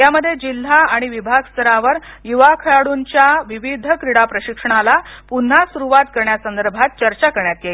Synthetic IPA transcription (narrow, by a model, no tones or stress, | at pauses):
jaməd̪ʱːjed͡ʑil̤ːaaɽ̃iʋibʱaɡst̪ʰəɾaʋəɾjuʋakʰəɭaɽuɲt͡ɕjaʋiʋid̪ʱəkɾiɽapɾəɕikʂəɳ̃alapun̤ːasuɾuʋat̪kəɾɳjasənd̪əɾbʱat̪̚t͡ɕəɾt͡ɕakəɾɳjat̪jei